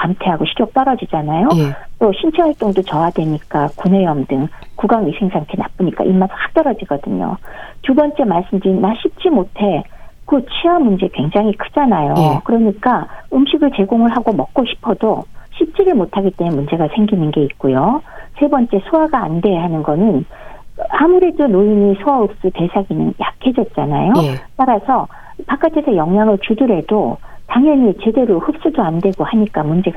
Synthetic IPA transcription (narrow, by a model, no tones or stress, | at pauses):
kamtʰe̞ɦaɡoɕʰiɾjʌk̚t͈ʌɾʌd͡ʑid͡ʑanajot͈oɕʰint͡ɕʰehaɭt͈oŋdot͡ɕʌadwe̞ɲik͈akunwejʌmdɯŋkuɡaŋɥisʰe̞ŋsʰamkʰena̰p͈ɯɲik͈a̰ʔimasʰhak̚t͈ʌɾʌd͡ʑiɡʌdɯɲo̰tubʌnt͡ɕ͈e̞maɭs͈ɯmdɯɾinaɕʰip̚t͡ɕ͈imotʰe̞kɯt͡ɕʰiʌmːund͡ʑe̞kwe̞ŋd͡ʑaŋɦikʰɯd͡ʑanajokɯɾʌɲik͈aɯmɕʰiɡɯɭt͡ɕe̞ɡoŋɯɭɦaɡomʌk̚k͈oɕʰi̥pʰʌdoɕʰip̚t͡ɕ͈eɾɯɭmotʰaɡit͈emɯnmund͡ʑe̞ɡasʰeŋɡinɯnɡe̞ik̚k͈ojosʰe̞bʌnt͡ɕ͈e̞sʰoaɡa̰ːnde̞ɦanɯnɡʌnɯn | amuɾe̞donojiɲisʰoaɯp̚s͈ute̞sʰaɡinɯnja̰kʰe̞d͡ʑʌt̚t͡ɕ͈ana̰jot͈aɾasʰʌ | pak͈atʰe̞sʰʌjʌŋjaŋɯɭt͡ɕudɯɾe̞dotaŋjʌɲit͡ɕe̞de̞ɾohɯp̚s͈udoande̞ɡohaɲik͈amund͡ʑe̞ɡ